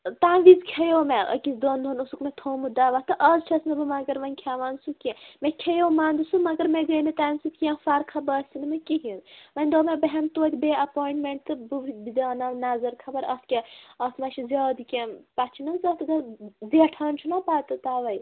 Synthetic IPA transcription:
t̪aːnʋizkʲʰɐjoːmeʔɐ̰kisd̪ond̪ʱonusukmet̪ʰoːmɨd̪aːʋat̪ɨʔɐzt͡ʃʰɐsnɐbɨmɐɡɐɾʋɐnʲkʲʰaːʋaːnsukimekʰɐjoːmaːnd̪ɨsumɐɡɐɾmeɡɐjnit̪aːnsut̪kʲiẽfaɾkʰɐbɐsʲt̪inɨmekiɦinʋɐnʲd̪oːmebɐɦɐnt̪oːt̪ʲbeɐpoːiɳʈmeɳʈt̪ɨbubbid̪aːnɐnazɐɾkʰɐbɐɾɐt̪kʲeɐt̪ʰmɐʃʰizʲjaːd̪ikʲempat͡ʃʰinɐzɐt̪ɡɐb̪eʈʰɐːnt͡ʃʰunɐpaːt̪ɨt̪aːʋɐj

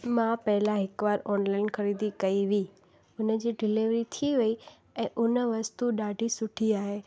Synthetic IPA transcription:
mãpɐɦɪlãɦɪkʋaːɾɔːnlaːɪnxɐɾiːd̪ikɐiʋiː | ʊnəd͡ʑiːɖɪliʋɾit̪ʰiʋɐi | ɛ̃ːʔʊnəʋɐst̪uɗaːɖʱisʊʈʰiaːɦeː

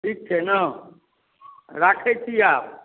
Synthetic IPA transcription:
ʈʰiːk̚t͡ʃʰenə | ɾaːkʰet͡ʃʰiaːp̚

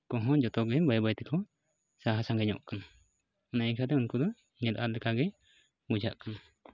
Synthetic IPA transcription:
kɔɦɔ̃d͡ʒɔt̪ɔɡɛbajbajt̪ɛkɔ | saɦasaŋɡɛɲɔ̰ʔkan | ɔnajɛkʰat̪ɛunkud̪ɔ | nɛlʔat̪̚lɛkaɡɛ | bud͡ʒaʔkan

